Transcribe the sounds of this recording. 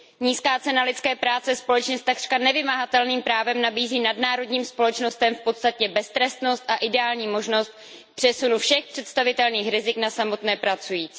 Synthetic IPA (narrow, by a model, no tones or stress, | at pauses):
ɲiːskaːt͡sɛnalɪt̪t͡skɛːpɾaːt͡sɛspo̞lɛt͡ʃɲɛst̪ːaɡr̥kanɛvɪmaɦat̪ɛlniːmpɾaːvɛmnabiːziːnadnaːɾo̞dɲiːmspo̞lɛt͡ʃno̞st̪ɛmfpo̞t̪st̪acɛbɛst̪ɾɛst̪no̞st̪ʔaʔɪdɛaːlɲiːmo̞ʒno̞st̪̚ | pr̥ɛsunufʃɛxpr̥ɛt̪st̪avɪt̪ɛlniːxɾɪzɪknasamo̞t̪nɛːpɾat͡sujiːt͡siː